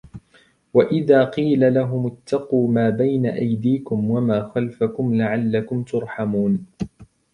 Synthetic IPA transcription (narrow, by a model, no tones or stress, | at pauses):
waʔɪðaːqiːlalaɦʊmʊt̪ʰːɑquːmaːbajnaʔajd̪iːkʊmwamaːxalfakʊmlaʕalːakʊmt̪ʊɾˤħamuːn